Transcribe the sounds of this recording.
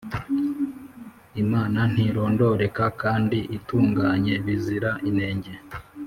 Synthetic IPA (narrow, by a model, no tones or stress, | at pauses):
imaːnan̥hiɾo̞ːndo̞ɾe̞kakaːndiʔituːŋɡaɲe̞βiziɾaʔine̞ːɲɟe̞